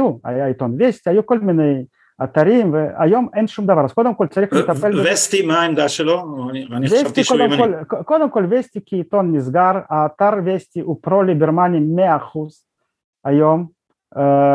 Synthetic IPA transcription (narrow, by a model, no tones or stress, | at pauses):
ua̰ajit̪onvʲesʲtʲiajukolʲmʲinej | ɐt̪aɾʲimvəa̰jomɛnʃumd̪ɐvaɾazkod̪əmkolʲt͡saɾixet̪apɛlvesʲt̪ʲimaimd̪aʃeloanʲivʲest̪iʃkod̪emkolʲkkod̪əmkolʲvʲesʲtʲikʲit̪onmʲizɡaɾaːt̪aɾvʲesʲtʲiʔupɾolʲiɡʲɪɾmanʲimeaχuz̥ | ajom